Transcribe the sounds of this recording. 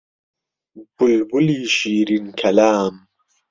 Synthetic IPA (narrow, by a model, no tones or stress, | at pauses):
b̥ulbuliːʃiːɾinkʰɐlaːm